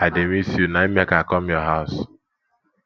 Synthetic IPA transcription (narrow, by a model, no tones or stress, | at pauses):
ademisunaimekakɔmjɔɦaʊs